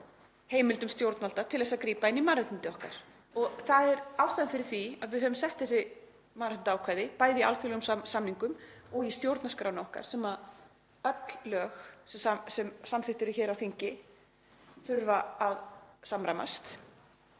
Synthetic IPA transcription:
heːjmɪlt̪ʏmst̪jowɾt̪nalt̪at̪ʰɪlvɛsaðkɾiːpaɪnːimaɾɛt̪ɪnt̪ɪɔhka̰ɾ̥ | ɔɣθaðɛɾawst̪aːðanfɪɾɪɾ̥θviaðvɪðɦœvʏmsɛht̪θɛsɪ | maɾɪnt̪aːwkʰvajðɪpaːjðɪialθʏlɛɣʏmsamniŋkʏmɔɣist̪jowɾt̪naskɾa̰wnɔhka̰ɾ̥sɛmað | œt̪l̥ːœːxsɛsasɛmsamθɪht̪ɪɾʏçɛːɾawθiɲcɪ | θʏɾvaaðsamɾajma̰st̪

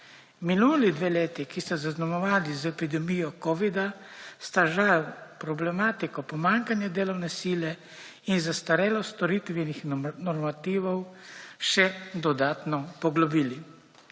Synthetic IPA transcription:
miluːlid̪ʋeːleːt̪ikist̪azaznamɔʋaːlizɛpid̪ɛmiːjɔkɔːʋid̪ast̪aʒawpɾɔblɛmaːt̪ikɔpɔmaŋkanjad̪eːlɔwnɛsiːlɛ | inzast̪aɾɛːlɔst̪ɔɾit̪ʋɛnixnɔɾmat̪iːʋɔwʃɛd̪ɔd̪aːt̪nɔpɔɡlɔbiːli

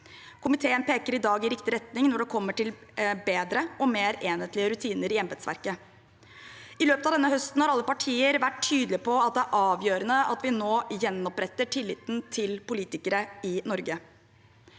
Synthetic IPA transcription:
kʰʊmɪt̪ʰeːənpeːkəɾɪd̪ɑːɡɪɾɪkt̪ɪɾɛt̪nɪŋnɔɖɛkʰɔmːəʈɪlbeːd̪ɾəɔmeːɾeːnheːt̪lɪəɾʉt̪ʰiːnəɾɪjɛmbɛt̪sʋæ̰ɾkə | ɪløːpət̪ɑʋd̪ɛnːəɦœst̪n̩hɑɾɑlːəpɑʈʰiːəɾʋæʈʰːyːd̪lɪpʰɔɑt̪̚d̪ɛæɾʔɑːʋjøːɾənəɑt̪ʋɪnoːjɛnːɔpɾɛt̪ːəʈʰɪlːɪt̪n̩t̪ʰɪlpʊliːt̪ɪkəɾəɪnɔɾɡə

